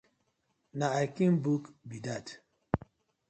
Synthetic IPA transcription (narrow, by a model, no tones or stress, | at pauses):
naajkĩmbukbidat